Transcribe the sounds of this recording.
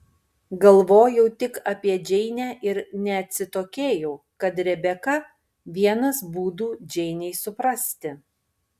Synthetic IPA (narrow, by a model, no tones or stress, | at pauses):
ɡɐlˠʋoːjɛʊt̪ʲɪkɐːpʲiɛd͡ʒʲɛɪnʲæːʔɪɾnʲɛɐt̪ʲsʲɪt̪oːkʲeːjɛʊ | kɐt̪ɾʲɛbʲɛkɐ | ʋʲiɛnɐsbuːd̪uːd͡ʒʲɛɪnʲɛɪsʊpɾɐsʲt̪ʲɪ